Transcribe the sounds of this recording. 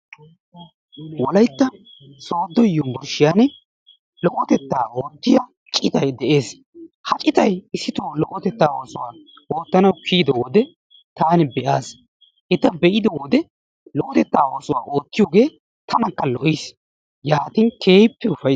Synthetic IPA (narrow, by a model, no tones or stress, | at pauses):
wɔlɐjt̪ːɐ | so̞ːd̪ːɔjʊmbɔɾʃɪjaːnɛ | lɔʔɔt̪ɛt̪ːaːoːt̪ːɪja | t͡ʃʼɪt̪ɐjd̪ɛʔe̞ːs | hɐt͡ʃʼɪt̪ɐjɪsːɪt̪oːlɔʔɔt̪ɛt̪ːaːo̰ːsɔwaː | o̞ːt̪ːɐnɐwkʰiːd̪ɔwɔd̪ɛ | t̪aːnɪbɛʔaːs | ʔɪt̪ːɐbɛʔɪd̪ɔwɔd̪ɛ | lɔʔɔt̪ɛt̪ːaːoːsɔwa̰ːʔo̞ːt̪ːɪjoːɡe̞ː | t̪ʰɐnɐkːɐlɔʔɪs | jaːt̪iːnkʰe̞ːjpːɛʊfɐj